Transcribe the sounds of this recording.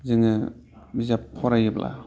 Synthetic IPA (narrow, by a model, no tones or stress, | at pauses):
zɯŋɯ | bizapʰːɔɾajɯpla̰